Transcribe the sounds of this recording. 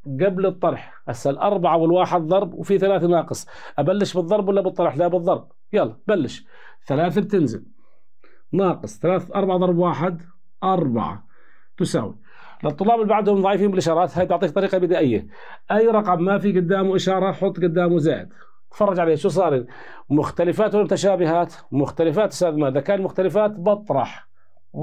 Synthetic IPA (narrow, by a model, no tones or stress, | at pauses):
ɡablɨt̪ˤːɑɾˤħ | ʔasalʔɑɾˤbaʕawɪlwaːħɪd̪ðˤɑɾˤbwfiθalaːθanɑːqɨsˤ | ʔabalːɪʃbɨðˤːɑɾˤbwalːabɨt̪ˤːɑɾˤħlabɨðˤːɑɾˤb̚ | jalːbalːɪʃ | θalaːθabt̪ɪnzɪ̰l | nɑːqɨsˤθalaːθʔɑɾˤbaʕaðˤɑɾˤbwaːħɪd̪ | ʔɑɾˤba̰ʕa̰ | t̪ʊsa̰ːwḭ | lɨt̪ˤːʊlːɑːbɪlbaʕd̪hʊmðˤɑʕiːfiːmbɪlʔɪʃɑːɾˤɑːt̪haːjt̪ʊʕt̪ˤiːk̚t̪ˤɑɾiːqɑbɪd̪aːʔɪjːa | ʔajːɾˤɑqɑmːafiɡʊd̪ːaːmwʔɪʃɑːɾˤɑħʊt̪ˤːɡʊd̪ːaːmwzaːʔɪ̰d̪ | t̪fɑrˤːɑd͡ʒʕaleːaʃuːs̬ˤɑːɾi | mʊxt̪alɪfaːt̪wlmʊt̪aʃaːbɪhaːt̪ | mʊxt̪alɪfaːt̪ɪsaːðmaːʔðakaːnlmʊxt̪alɪfaːt̪bɑt̪ˤɾˤɑħ